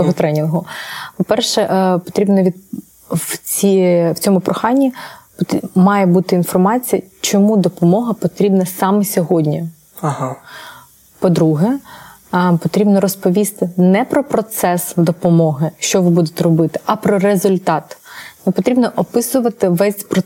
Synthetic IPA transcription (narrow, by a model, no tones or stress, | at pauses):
t̪ɔɦɔt̪ɾɛnʲɪnɦʊpɔpɛrʃɛʔpɔ̥t̪ɾʲibnɐʋʲid̪ | wt͡sʲiwt͡sʲɔmʊpɾʔɔxɑnʲːipt̪mɑjɛbut̪ɪinfɔrmɑt͡sʲijɐt͡ʃɔmud̪ɔpɔmɔɦɐpɔt̪ɾʲibnɐsɑmɛsʲɔɦɔdʲnʲi | ɦ | pɔd̪ɾuɦɛ | pɔt̪ɾʲibnɔɾɔspɔʋʲist̪ɪnɛpɾɔpɾɔt̪sɛsd̪ɔpɔmɔɦɪʃt͡ʃɔʋɪbud̪et̪ɛɾɔbɪt̪ɪ̥ʔɐpɾɔɾezʊlʲt̪ɑt̪nɛpɔt̪ɾʲibnɔʔɔpɪsʊʋɐt̪ɪʋɛsʲpɾɔ